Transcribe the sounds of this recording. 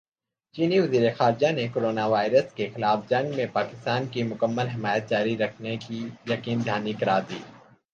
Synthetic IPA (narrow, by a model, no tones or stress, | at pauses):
t͡ʃiːniʋɐziːɾexaːɾd͡ʒanekoːɾoːnaʋaːɪɾəskexɪlaːfd͡ʒɐ̃ŋɡmẽpaːkɪst̪aːnkimʊkəmːəlɦɪmaːjət̪̚d͡ʒaːɾiɾɐkʰnekijɐkiːnd̪ʱaːnikɐɾaːd̪iː